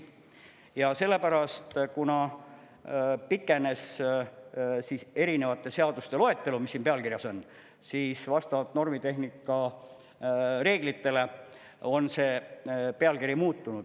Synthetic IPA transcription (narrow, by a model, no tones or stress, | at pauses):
jɑse̞lːe̞pæɾɑst̪kunɑ | pikːˑe̞ne̞s | siːse̞ɾine̞vɑt̪ːˑe̞se̞ɑd̪̥ust̪e̞lo̞e̞t̪ːe̞lumisːiːnpe̞ɑlkirjɑso̞n | siːsvɑst̪ɑvɑt̪no̞rmit̪e̞ɦnikːˑɑ | re̞ːɡ̥lit̪ːe̞le̞ | o̞nse̞ːpe̞ɑlkiɾjɑmuːt̪ːunud̥̪